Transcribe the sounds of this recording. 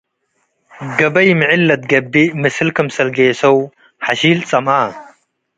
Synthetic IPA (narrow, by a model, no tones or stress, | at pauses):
ɡɐbɐjmɨʕilːɐt̪̚ɡɐbːimɨsɨlkʰɐmsɐlɡeːsɐw | ħaʃiːlt͡sʼɐma